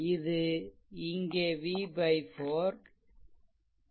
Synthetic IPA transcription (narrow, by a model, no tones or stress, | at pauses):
ɪðɯ | ɪŋɡeːʋiːbɐɪfoːɾ